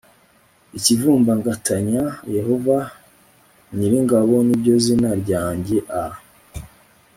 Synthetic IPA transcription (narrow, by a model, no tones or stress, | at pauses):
icivuːmbaŋɡatʰaɲaje̞hova | ɲiɾiŋɡaβo̞nibɟo̞zinaɾɟaːɲɟe̞ʔa